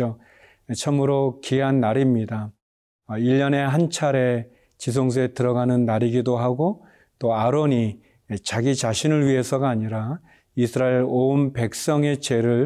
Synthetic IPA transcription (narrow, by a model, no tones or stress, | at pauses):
o | t͡ɕʰʌmɯɾokiɦanːaɾimɲida | iʎːʌne̞ɦant͡ɕʰaɾe̞ | t͡ɕis̬ʰoŋs̬ʰuetɯɾʌɡanɯnːaɾiɡidoɦaɡo | t͈oaɾoɲi | t͡ɕaɡit͡ɕaɕʰinɯɭɥie̞sʰʌɡaːɲiɾa | isʰɯɾaeɾonpe̞k̚s͈ʌŋe̞t͡ɕe̞ɾɯɭ